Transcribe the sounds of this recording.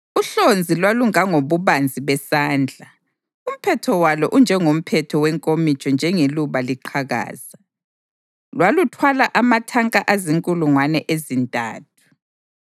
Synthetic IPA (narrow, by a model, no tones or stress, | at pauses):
uɬond͡zʱilwaluŋaŋoβuβand͡zʱiβɛsaːnd͡ɮʱa | um̩pʰɛtʰɔwalɔʔund͡ʒʱɛŋom̩pʰɛtʰɔwɛŋkʼomit͡ʃʼɔnd͡ʒʱɛŋeluβaliǃʰaɣa̰ːza | lwalutʰwalaʔamatʰaŋkʼaʔaziŋkʼuluŋwanɛʔezintʼa̰ːtʰu̥